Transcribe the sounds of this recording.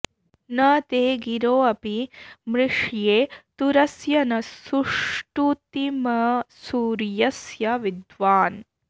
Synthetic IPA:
nɐt̪eːɡiɾoːɐpimɾɪʂjeːt̪uɾɐsjɐnɐsuʂʈut̪imɐsuːɾjɐsjɐʋid̪ʋaːn

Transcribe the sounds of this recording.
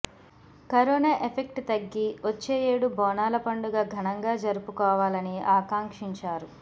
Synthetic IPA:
kɐɾɔːnaʔepʰek̚ʈt̪ɐɡːiʔot͡ʃːeːjeːɽubɔːnaːlɐpɐɳɖuɡaːɡʱɐɳɐŋɡaːd͡ʒɐɾupukɔːʋaːlɐniaːkaːŋkʂiɲt͡ʃaːɾu

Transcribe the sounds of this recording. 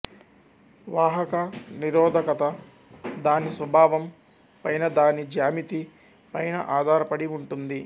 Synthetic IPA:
ʋaːɦɐkɐniɾɔːd̪ʱɐkɐt̪ɐ | d̪aːnisʋɐbʱaːʋɐm | pɐjnɐd̪aːnid͡ʒjaːmit̪i | pɐjnɐ̰ʔaːd̪ʱaːɾɐpɐɽiuɳʈund̪i

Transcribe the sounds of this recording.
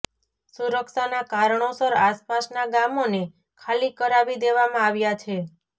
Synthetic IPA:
suɾəkʃanakaɾɳosəɾaspasnaɡamone | kʰalikəɾaʋid̪eʋamãaʋjat͡ʃʰe

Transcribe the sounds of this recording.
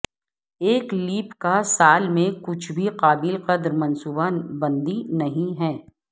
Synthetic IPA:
eːkliːpkasaːlmẽkʊt͡ʃʰbʱiqaːbɪlqɐd̪ɾmɐ̃nsuːbabɐ̃nd̪inɐɦĩɦɛː

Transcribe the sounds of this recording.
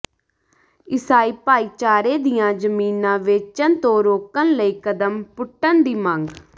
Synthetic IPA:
ɪsaːiːpaːiːt͡ʃaːɾeːd̪ijãːd͡ʒəmiːnãːʋeːt͡ʃənt̪õːɾoːkənləiːkəd̪əmpʊʈːənd̪iːmãŋɡ

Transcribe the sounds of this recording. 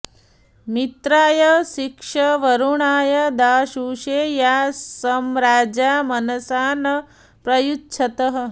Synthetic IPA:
mit̪ɾaːjɐʃikʂɐʋɐɾuɳaːjɐd̪aːʃuːʃeːjaːsɐmɾaːd͡ʒaːmɐnɐsaːnɐ | pɾɐjutːt͡ʃʰɐt̪ɐɦɐ̆

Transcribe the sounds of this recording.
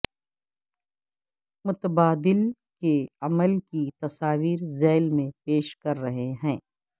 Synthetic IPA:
mʊt̪əbaːd̪ɪlkeɐməlkit̪ɐsaːʋiːɾzɛːlmẽpeːʃkɐɾːɐɦeɦɛ̃ː

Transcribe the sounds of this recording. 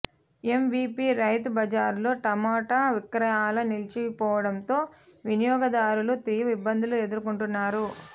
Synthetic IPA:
e̞mʋiːpiːɾɐjt̪ubɐd͡ʒaːɾlo̞ːʈɐmaːʈaːʋikɾɐjaːlɐnilt͡ʃipɔːʋɐɽɐnt̪o̞ːʋinijɔːɡɐd̪aːɾulut̪ɾijɐʋibːɐnd̪ulue̞d̪uɾukuɳʈunːaːɾu

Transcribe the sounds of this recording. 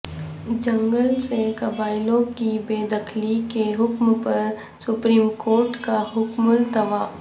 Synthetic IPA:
d͡ʒə̃ŋɡəlsekɐbaːɪlõkibeːd̪ɐkʰlikeɦʊkmpɐɾ | sʊpɾiːmkoːɾʈkaɦʊkmʊlt̪ɐʋaː

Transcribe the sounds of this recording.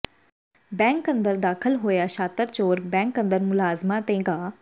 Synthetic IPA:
bɛ̃ːŋkə̃nd̪əɾd̪aːkʰəlɦoːjaːʃaːt̪əɾt͡ʃoːɾbɛ̃ːŋkə̃nd̪əɾmʊlaːzmaːt̪ẽːɡaː

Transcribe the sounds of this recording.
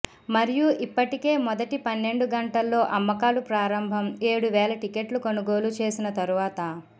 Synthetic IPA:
mɐɾijuʔipːɐʈike̞ːmɔd̪ɐʈipɐnːe̞ɳɖuɡɐɳʈɐlːo̞ːʔɐmːɐkaːlupɾaːɾɐmbʱɐmeːɽuʋɛːlɐʈike̞ʈlukonuɡo̞ːlut͡ʃeːsinɐt̪ɐɾuʋaːt̪ɐ

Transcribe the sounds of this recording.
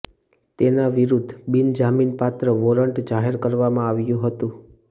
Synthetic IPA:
t̪enaʋiɾud̪ʱbind͡ʒaminpat̪ɾəʋoɾəɳʈd͡ʒaɦeɾkəɾʋamãaʋjũɦət̪ũ

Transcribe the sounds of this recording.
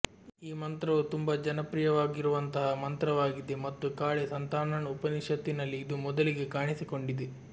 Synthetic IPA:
iːmɐnt̪ɾɐʋut̪umbɐd͡ʒɐnɐpɾijɐʋaːɡiɾuʋɐnt̪ɐɦɐmɐnt̪ɾɐʋaːɡid̪e̞mɐt̪ːukaːɭesɐnt̪aːɳɐɳupɐniʂɐt̪ːinɐlːiːd̪umɔd̪ɐliɡe̞kaːɳisiko̞ɳɖid̪e

